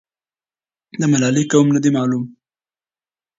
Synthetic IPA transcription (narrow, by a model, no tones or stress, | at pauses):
d̪əmalɑlikawumnad̪emɑlum